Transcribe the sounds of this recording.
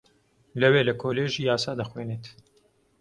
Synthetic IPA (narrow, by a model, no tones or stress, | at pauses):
lɐweːlɐkʰoːleːʒiːjaːsɑːd̪ɐxweːneːt̪